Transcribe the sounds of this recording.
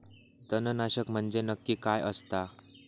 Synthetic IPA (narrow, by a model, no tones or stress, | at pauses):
d̪ənənaɕəkm̤əɳd͡zenəkːiːkajʔəst̪a